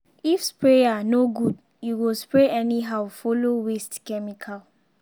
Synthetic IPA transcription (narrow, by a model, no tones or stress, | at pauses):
ifspɹeanoɡud | juwilspɹeʔɛniɦawfolowestkɛmikʰal